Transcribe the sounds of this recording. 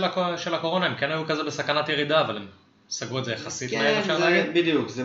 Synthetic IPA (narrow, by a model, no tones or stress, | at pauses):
akoʃelako̞ʁo̞naemkenajukazebesakanat̪jeʁid̪aːvalem | saɡuedzejaχasit̪maeʃeaɡibid̪jukzɛ